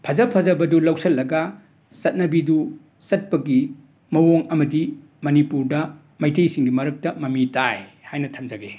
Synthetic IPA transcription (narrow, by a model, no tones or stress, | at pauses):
pʰɐzɐpʰɐzɐbɐdulɐwsɐlːɐɡɐ | sɐt̚nɐbidu | sɐt̚pɐɡi | mɐwoŋɐmɐdi | mɐnipuɾdɐ | mɐjtʰejsiŋɡimɐɾɐk̚tɐmɐmitʰajhajnɐtʰɐmd͡ʒɐɡe